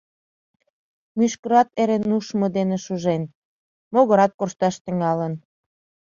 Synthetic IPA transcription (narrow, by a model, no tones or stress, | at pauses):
myʃkə̆ɾɑt̪eɾenuʃmɤ̆d̪enĕʃuʒen | moɣə̆ɾɑt̪̚korʃt̪ɑʃt̪ə̆ŋɑlə̆n